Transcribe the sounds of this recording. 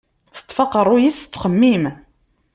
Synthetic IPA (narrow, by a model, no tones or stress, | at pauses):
θə̥t̪ˤːfɑqːəɾˤʊjist͡sːχəmːim